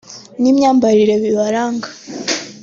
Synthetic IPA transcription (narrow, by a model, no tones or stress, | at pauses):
nimɲaːmbaɾiɾeβiβaɾaːŋɡa